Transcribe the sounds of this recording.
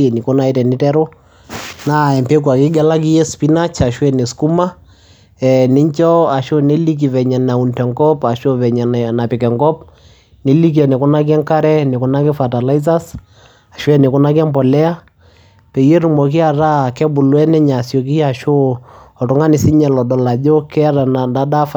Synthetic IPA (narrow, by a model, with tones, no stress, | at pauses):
ɛ˨ni˨kʊ˦na˦i˦tɛ˨nɪ˦tɛ˦ɾʊ˦ | na˦˨ɛ˨mpe˦k̬wa˨kɪ˦ɡɛ˦la˦k̬i˦jɛ˦spi˦na˦t͡ʃa˨ʃwɛ˨ne˨sku˦ma˦ | ɛ˨nɪ˦ɲt͡ʃɔ˦a˨ʃo˦ne˦li˦k̬i˨vɛ˨ɲɛ˨na˨u˨ntɛ˨ŋɡɔ˦pa˨ʃo˦vɛ˨ɲɛ˨nna˨pɪ˨kɛ˨ŋɡɔ˦p̚ | ni˨li˦k̬i˦ɛ˨nɪ˨kʊ˦na˦k̬i˦ɛ˦ŋka˦ɾɛ˦nɪ˨kʊ˨na˦kɪ˦fa˨ta˨la˦i˦s̬a˦s | a˨ʃwɛ˦nɪ˨kʊ˦na˦kɛ˦mpɔ˨lɛ˦a˦ | pɛ˨jɛ˦ɾu˨mɔ˨k̬i˦a˨ɾa˦˨kɛ˦bʊ˨lwɛ˦nɛ˦ɲa˨sjɔ˨k̬i˦a˨ʃo˦ɔ˨tʊ˨ŋa˦nɪ˨si˦ɲɛ˨lɔ˨dɔ˨la˨d͡ʒo˦kɛ˦ɾa˨na˨nda˦da˦f